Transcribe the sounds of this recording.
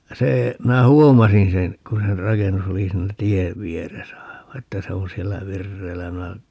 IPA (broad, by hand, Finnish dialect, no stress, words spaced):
se minæ huomɑsin sen kun sen rɑkenːus oli siːnæ tieʋ ʋieresæ ɑiʋɑ etːæ se õː sielːæ ʋirːeilːæ jɑ minæ